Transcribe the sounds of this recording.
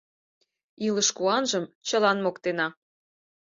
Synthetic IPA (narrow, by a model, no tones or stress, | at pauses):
iləʃkuɑnʒəmt͡ɕəlɑnmokt̪enɑ